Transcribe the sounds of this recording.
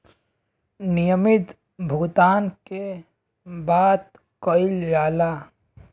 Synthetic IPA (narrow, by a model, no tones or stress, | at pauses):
nɪjəmɪt̪ | bʱʊɡt̪aːnke | baːt̪ | kɔɪljaːla